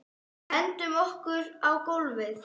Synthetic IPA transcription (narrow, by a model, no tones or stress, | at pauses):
ɛnt̪ʏmɔhkʏɾawkowlvɪθ